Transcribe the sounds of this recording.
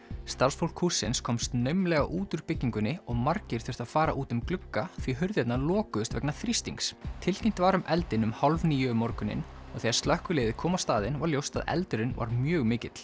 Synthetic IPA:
st̪aɾr̥sfowl̥kʰusːɪnskʰɔmst̪nœɥmlɛːɣaʔuːt̪ʏɾpɪcːiŋkʏnːɪɔɣmaɾcɪɾ̥θɪɾ̥θaðfaːɾaʔuːt̪ʏmklʏkːaθviɦʏɾðjɛt̪nalɔːkʏðʏst̪vɛ̰knaθɾist̪iŋkst̪ʰɪlcʰim̥t̪vaɾʏmʔɛlt̪ɪnʏmhalvniːjʏmɔɾkʏnɪ̰n | ɔɣθɛjɣaɾ̥st̪lœhkʏleːjðɪkʰɔːmast̪aːðɪnvaɾljowst̪a̰ðɛ̰lt̪ʏɾɪnva̰ɾmjœːɣmɪːcɪt̪l̥

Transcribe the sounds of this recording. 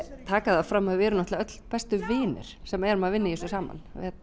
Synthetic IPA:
t̪ʰaːkaðafɾamhœðvɛːɾʏnaht̪aœt̪l̥pɛst̪ʏvɪːnʏ̰ɾ̥sɛmɛɾʏmaðvɪnːɪisʏsaːma̰nvɪ̰hɛt̪̚

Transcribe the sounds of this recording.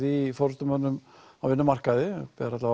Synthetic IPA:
ðifɔɾst̪ʏmœnːʏmavɪnːʏmar̥kaðɪpɛðɾat̪la

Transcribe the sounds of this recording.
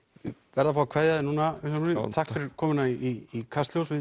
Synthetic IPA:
vɛɾðafɾawkʰv̥ɛːjðaðɪnuːnaʏkanunɪθahkʏɾkʰɔːmʏɪnaiiːkʰast̪ljowsvɪ

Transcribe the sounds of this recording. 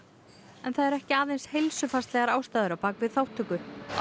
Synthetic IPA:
ɛnθaðɛɾɛhcɪaːðejnshejlsʏfḁst̪lɛɣaɾaːwst̪aːðʏɾawpaːkvɪðθawht̪ːʏkʏ

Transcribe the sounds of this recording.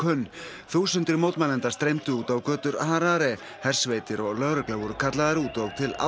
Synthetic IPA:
œnː | θuːsʏnt̪ɪɾmoːwt̪manɛnt̪ḁst̪ɾejmt̪ʏuːt̪awkœːt̪ʏɾaːɾaɾɛ | hɛr̥sveːjt̪ɪɾɔɣlœɣɾɛklavɔɾʏkʰat̪laðaɾuːt̪ɔɣt̪ʰɪla̰

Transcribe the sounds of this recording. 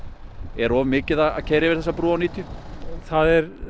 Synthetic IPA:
ɛɾɔːvʏmɪːcɪðaða̰cʰeːjɾɪvɪɾ̥θɛsːapɾuːawniːt̪jʏθaðɛɾ

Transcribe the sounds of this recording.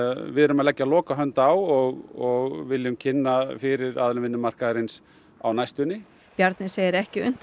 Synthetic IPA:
vɪðʏɾʏmaðlɛcːalɔːkaɦœnt̪awɔɣɔɣvɪlːjʏmcʰɪnːafɪɾɪɾa̰ðlʏmvɪnːʏmar̥kaðɾɪns | a̰wnajst̪ʏnːɪ | pjaɾt̪nɪseːjɪɾɛhcɪʏ̰n̥t̪

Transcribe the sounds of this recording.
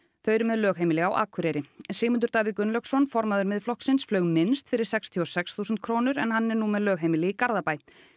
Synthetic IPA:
θœɥɾʏmɛðlœːɣɦejmɪlɛɣawʔa̰ːkʰʏɾejɾɪsɪːmʏnt̪ʏɾt̪aːvɪðkʏnlœksɔnfɔɾmaðʏɾmɪðflɔhksɪnsflœːɥɣmɪnst̪fɪɾɪ̥sɛkst̪ʰiɔsɛksθuːsʏnt̪̚kʰɾoːnʏɾɛnhanːɛɾnumɛðlœːɣejmɪlɪɣikaɾðapaːj

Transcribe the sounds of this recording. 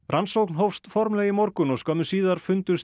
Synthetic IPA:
rʔansowknɦowfst̪fɔɾmlɛːɣɪmɔɾkʏnɔɣskœːmʏsiːðaɾ̥fʏnt̪ʏs

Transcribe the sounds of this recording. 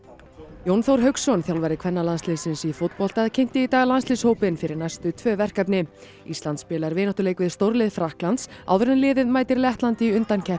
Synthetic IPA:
jownθowɾ̥ɦœɥksɔnθjawlvaɾɪkʰvɛnːalansliːsɪnsifʊt̪̚pɔl̥t̪aðcʰejm̥t̪ɪit̪aːɣalanslɪshoːwpɪnfɪɾɪɾnajst̪ʏt̪ʰvœːvɛr̥kapnɪ | ist̪lant̪spɪːlaɾvɪːnɔht̪ʏleːjkvɪðst̪owɾlɪðfɾahklant̪saːwðʏɾɛnlɪːðɪðmaːjt̪ɪɾlɛht̪lant̪iʏnt̪ancʰɛ

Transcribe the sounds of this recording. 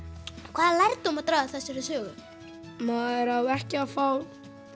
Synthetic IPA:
kʰv̥aːðalajɾt̪umat̪ɾaːðaθɛsːɪɾɪsœːɣʏ | maðɛɾawɛhcɪafaːw

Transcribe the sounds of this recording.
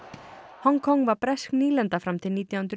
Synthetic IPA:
hɔŋkʰɔŋːvaɾpɾɛskniːlɛnt̪afɾamt̪ʰɪlniːt̪jawhʏnt̪ɾ

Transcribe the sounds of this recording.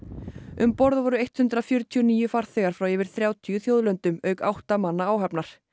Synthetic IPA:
ʏmpɔɾðvɔɾʏejht̪hʏnt̪ɾafjœɾt̪ʰiɔniːjʏfaɾ̥θɛːɣaɾ̥fɾawɛvɪɾ̥θɾjaːwt̪ʰijʏθjoːwðlœnt̪ʏmœːɥkawht̪amanːaaːwɦɛpnaɾ̥

